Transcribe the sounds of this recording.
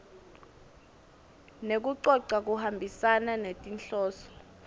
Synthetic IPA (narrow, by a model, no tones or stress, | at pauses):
nek̬uǀɔǀak̬uhambʱisananetʼinɬɔːsɔ̥